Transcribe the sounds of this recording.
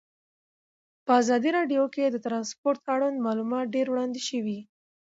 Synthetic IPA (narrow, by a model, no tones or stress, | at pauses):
pəazɑd̪iɾɑɖjoked̪ət̪ɾɑnspoɾt̪aɽunmɑlumɑt̪̚ɖeɾwɽɑnd̪eʃəwi